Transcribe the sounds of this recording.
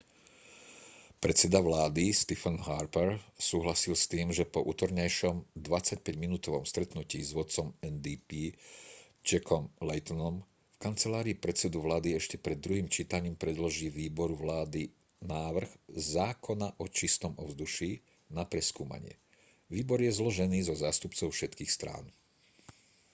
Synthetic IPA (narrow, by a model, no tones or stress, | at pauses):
pɾɛt̪t͡sɛd̪aʋlaːd̪ist̪ifɛnɦaɾpɛɾsuːɦlasilst̪iːmʒɛpɔʔṵːt̪ɔɾɲajʃɔmd̪ʋat͡sac̚pɛɟminuːt̪ɔʋɔmst̪ɾɛt̪nuciːzʋʊɔt̪t͡sɔmɛnd̪ipiː | t͡ʃɛkɔmlɛjt̪ɔnɔm | fkant͡sɛlaːɾiːpɾɛt̪t͡sɛd̪uʋlaːd̪iɛʃcɛpɾɛd̪ːɾuɦiːmt͡ʃiːt̪aɲiːmpɾɛd̪lɔʒiːʋiːbɔɾuʋlaːd̪i | naːʋr̩ɣzaːkʰɔnaʔɔt͡ʃist̪ɔmɔ̰ʊzd̪uʃiː | napɾɛskuːma̰ɲɪɛ̰ | ʋiːbɔɾjɛzlɔʒɛniːzɔzaːst̪upt͡sɔʊfʃɛt̪kiːxst̪ɾa̰ːn